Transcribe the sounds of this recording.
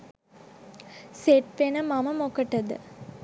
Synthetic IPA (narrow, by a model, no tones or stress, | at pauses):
seʈʋenəmaməmokəʈəd̪ə̰